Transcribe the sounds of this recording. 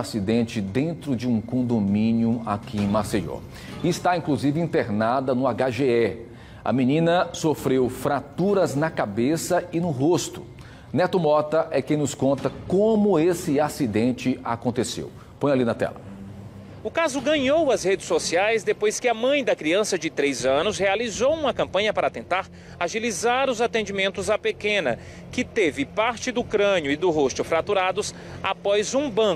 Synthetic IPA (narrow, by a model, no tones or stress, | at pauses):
asid̪ẽnt͡ʃɪd̪ẽnt̪ɾʊd͡ʒɪũkõd̪omĩnjʊa̰kɪ̃maseʒo̰ | ɪɪst̪aĩkluzivɪĩnt̪eɾnad̪ɐnʊaɡaʒeɛ | ɐ̰mĩnĩnɐsofɾewfɾat̪uɾɐznɐkabesɐɪnʊɦost̪ʊ̰ | nɛt̪ʊmɔt̪ɐʔɛkẽj̃nʊskõnt̪ɐkõmʊesɪasid̪ẽnt͡ʃɪʔakõnt̪esḛw | põj̃alinɐt̪ɛ̰lɐ | ʊkazʊɡɐ̃ɲowɐzhed͡ʒɪsːosiajzd̪epojskɪɐmɐ̃j̃d̪ɐkɾiɐ̃sɐd͡ʒɪt̪ɾejzɐ̃nʊshealizowũmɐkɐ̃mpɐ̃ɲɐpaɾɐat̪ẽnt̪aɾ | aʒilizaɾʊzat̪ẽd͡ʒimẽnt̪ʊzɐpekẽnɐ | kɪt̪evɪpaɾt͡ʃɪd̪ʊkɾɐ̃ɲjʊɪd̪ʊɦost̪ʊfɾat̪uɾad̪ʊs | a̰pɔjzũbɐ̃k